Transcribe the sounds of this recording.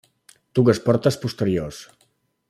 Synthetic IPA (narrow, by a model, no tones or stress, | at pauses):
t̪ukəspɔɾt̪əspust̪əɾios